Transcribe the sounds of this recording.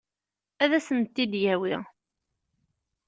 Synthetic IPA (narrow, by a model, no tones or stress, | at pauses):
æðæsənt̪ːid̪jæwiʁ